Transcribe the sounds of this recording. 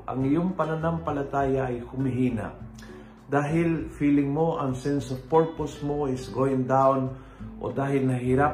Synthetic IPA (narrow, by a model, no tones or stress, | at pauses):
ʔɐ̰ŋɪjoŋpɐnɐnampɐlɐt̪aːjaʔɐjhʊmɪɦiːna̰ | d̪aːɦɪlfiːlɪŋmo̞ʔɐŋsɛnsovpoɹposmoɪsɡoɪŋd̪awn | ʔo̰d̪aːɦɪlnɐɦiɾa